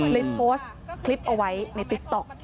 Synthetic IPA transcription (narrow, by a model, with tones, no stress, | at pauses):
li˦˥p̚pʰːoː˦˥st̪̚ | kʰli˦˥p̚ʔa˧wa˦˥jna˧˥jt̪i˨˦˥k̚t̪ɔ˨˩k̚